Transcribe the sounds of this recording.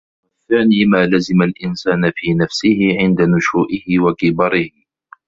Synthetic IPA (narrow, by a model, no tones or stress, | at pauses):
waθaːniːmaːlazɪmalʔɪnsaːnafiːnafsɪhɪʕɪnd̪anʊʃuːʔɪhɪwakɪbɑɾˤɪh